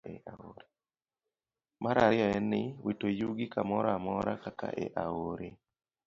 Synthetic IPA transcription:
eaoɾ | maɾaɾjɔɛnɪwitojuɡikamɔɾamɔɾa̰kaka̰ʔḛʔaoɾe

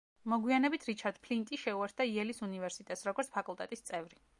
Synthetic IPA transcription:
mɔɡwianɛbit̪ʰɾit͡ʃʰaɾd̪̥pʰlint̪ʼiʃɛuɛɾt̪̚d̪̥aiɛlisunivɛɾsit̪ʼɛt̪sɾɔɡɔɾt̪sʰpʰakʼulˠt̪ʼɛt̪ʼist̪sʼɛvɾi

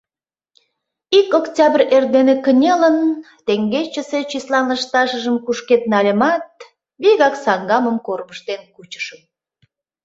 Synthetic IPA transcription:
ikoktʲɑbərerd̪enekənʲelən | t̪eŋɡet͡ɕəset͡ɕislɑnləʃt̪ɑʃəʒəmkuʃket̪̚nɑlʲəmɑt̪̚ | βiɣɑksɑŋɡɑməmkorməʃt̪enkut͡ɕə̥ʃəm

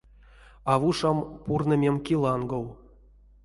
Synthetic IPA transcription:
avuʂampurnə̆mʲemkʲilˠɑnɡow

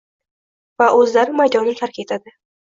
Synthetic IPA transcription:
vaʔɵzlaɾɪmajd̪ɒnɪkʲʰaɾkʲet̪ʰad̪ɪ

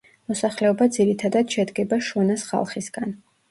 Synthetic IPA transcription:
mɔsaχlɛɔbad̪ziɾit̪ʰad̪ad̪ʃɛd̪ɡɛbaʃɔnasχa̰lˠχisɡan

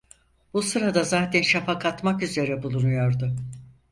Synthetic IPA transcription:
b̥usɯɾad̪azaːt̪ʰɛnʃafakʰat̪makyze̞ɾɛbulˠunujoɾd̪ʊ

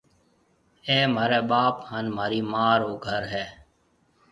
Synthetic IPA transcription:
eːmaːɾeːɓaːphaːnmaːɾiːmaːɾoːɡʱəɾɦɛː

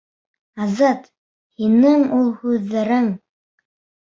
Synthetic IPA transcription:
ɑzɑt̪ | hinɘŋulˠhʉðːæɾɘŋ

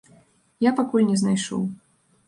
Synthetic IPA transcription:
japakulʲnʲɛznajʂɔ̰w

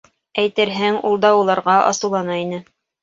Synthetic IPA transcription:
æjt̪ɘɾɦæŋṵlˠd̪ɑulˠɑɾʁɑʔɑ̰sɤ̆wlˠɑnɑinɘ

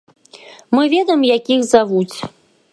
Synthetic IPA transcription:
mɨvʲɛd̪ɐjɛmjakʲixzavut͡sʲ

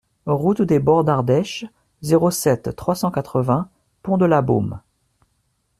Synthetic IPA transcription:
ʁut̪d̪ebɔʁd̪aʁd̪ɛʃ | zeʁosɛt̪ːχwasɑ̃kat̪χəvɛ̃ | pɔ̃d̪əlabo̰m

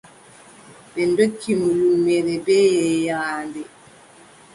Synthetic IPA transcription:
bɛndokːimulumɛɾɛbɛːjɛjaːndɛ

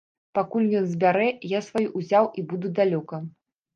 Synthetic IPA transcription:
pakulʲjʲjɔnzʲbʲaɾɛjasvajuʔuzʲawʔibud̪ud̪alʲɔkɐ

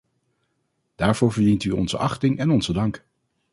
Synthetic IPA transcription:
d̥aːɹv̥oːɹvəɹdintyɔ̰nzə̰ʔɑχtɪŋʔɛnɔnzədɑŋk

